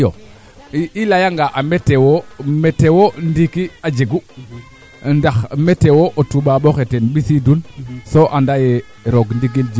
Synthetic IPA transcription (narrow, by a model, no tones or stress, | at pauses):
jo̰ | ilajaŋɡaʔametewometewondikiad͡ʒeɡu | ndaxmetewoʔotuɓaɓoxetenɓisidunsoʔandaje | ɾoɡndiɡild͡ʒi